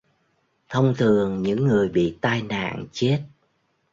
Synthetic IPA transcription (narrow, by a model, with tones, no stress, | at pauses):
t̪ʰə˧wŋ͡mt̪ʰɨ˨˩əŋɲɨ̰˧˥ŋːɨ˨˩əjɓḭ˧˨t̪aː˧jna̰ː˧˨ŋt͡ɕe˦˥t̚